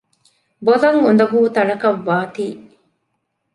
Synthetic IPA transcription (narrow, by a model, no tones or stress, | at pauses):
bolɐŋɡund̪ɐbuːt̪ɐɭɐkɐʋːaːt̪iː